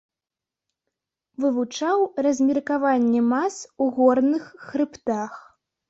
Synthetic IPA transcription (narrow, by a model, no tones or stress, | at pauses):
vɨvut͡ʂawrɐzʲmʲirkavanʲːɛmasuɣɔrnɨxːɾɨpt̪ax